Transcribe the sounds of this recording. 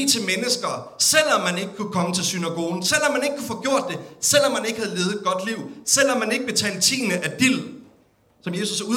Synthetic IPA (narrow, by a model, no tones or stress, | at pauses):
t͡sʰe̝lmenəsɡ̥ɐ | sel̰ɒ̽mːæne̝ɡ̥əkʰukʰɒ̽mət͡sʰe̝lsynæɡ̥o̝ːn̩sel̰ɒ̽mːæne̝ɡ̥əkʰufɔ̽ːɡ̥jo̝ɐ̰d̥ːe̝sel̰ɒ̽mːæne̝ɡ̥hæð̞̩ˠle̝ːʊð̩ˠdɡ̥ɒ̽d̥liʊ̰sel̰ɒ̽mːæne̝ɡ̥əb̥e̝t͡sʰɛ̰ːld̥̚t͡sʰḭːnəʔæd̥il̰ | sɒ̽mje̝ːsusu